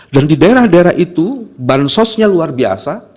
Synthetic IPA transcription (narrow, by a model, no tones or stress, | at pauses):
dandidaeɾahdaeɾa̰hʔit̪ubansɔsɲaluarbia̰sa